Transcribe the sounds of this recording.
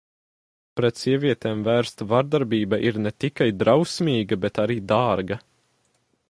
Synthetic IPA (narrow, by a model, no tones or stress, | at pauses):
pɾɛt̪siɛvʲiɛt̪eːmvæːɾst̪vaɾd̪aɾbiːbaʔiɾnɛt̪ikajd̪ɾawsʲmʲiːɡɐbɛt̪aɾiːd̪aːɾɡɐ